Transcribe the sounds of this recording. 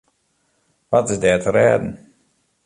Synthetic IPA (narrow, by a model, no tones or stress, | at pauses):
ʋatɪsdɛːtʰəɾɛ̰ːdən̩